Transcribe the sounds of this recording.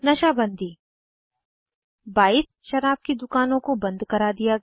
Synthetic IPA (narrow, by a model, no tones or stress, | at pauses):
nɐʃaːbɐ̃nd̪ʱiː | baːiːs | ʃɐɾaːb̚kid̪ʊkaːnõkobɐ̃nd̪kɐɾad̪ija